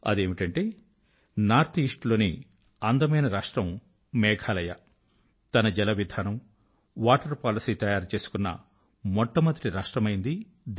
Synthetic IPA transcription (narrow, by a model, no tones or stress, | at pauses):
ɐ̰d̪e̞ːmiʈɐɳʈe̞ː | naːɾt̪ʰiːʂʈlo̞ːnḭ | ɐnd̪ɐmɐjnɐɾaːʂʈɾɐmː | ɛːkʰaːlɐjɐ | t̪ɐnɐd͡ʒɛlɐʋid̪ʱaːnɐm | ʋaːʈɐɾpaːlɐsiːt̪ɐjaːɾt͡ʃe̞ːsu̥kunːɐ̰ | mɔʈːɐmɐnt̪ɾiɾaːʂʈɾɐmɐjind̪i | d̪